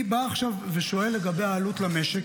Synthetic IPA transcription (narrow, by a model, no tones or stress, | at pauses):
baːχʃavːeʃo̞e̞lːe̞ɡabe̞jaːlutlameʃe